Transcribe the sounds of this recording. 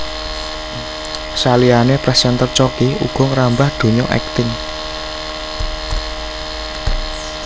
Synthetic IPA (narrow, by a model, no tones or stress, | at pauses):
salianepɾɛsɛnt̪ərt͡ʃɔkiuɡ̥ɔ̤ŋɾambahd̪̥o̤ɲɔʔɛ̰k̚t̪ɪŋ